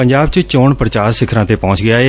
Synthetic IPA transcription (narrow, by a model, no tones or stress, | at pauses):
əɲd͡ʒaːbt͡ʃət͡ʃoːɳpɾət͡ʃaːɾsɪkʰɾãːt̪eːpɔ̃ːɲt͡ʃɡɪjaːeː